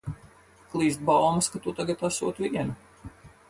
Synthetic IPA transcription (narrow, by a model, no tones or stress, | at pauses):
klˠiːst̪̚balmaskat̪ut̪aɡat̪asuɔt̪vʲiɛnu